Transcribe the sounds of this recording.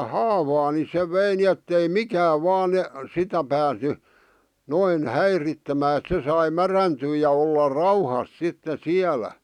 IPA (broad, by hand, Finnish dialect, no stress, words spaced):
hɑːʋɑː ni se ʋei ni etːei mikæːʋ ʋɑːn ne sitæ pæːsny noin hæiritːemæː et sɑi mæræntyː jɑ olːɑ rɑuhɑs sitːe siælæ